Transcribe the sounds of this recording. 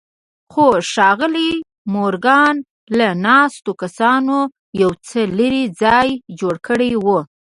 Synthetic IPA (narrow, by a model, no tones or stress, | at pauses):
xoʃɑɣəli | moɾɡɑn | lanɑst̪okasɑno | jawt͡sələɾid͡zɑjd͡ʒoɽkəɽejwu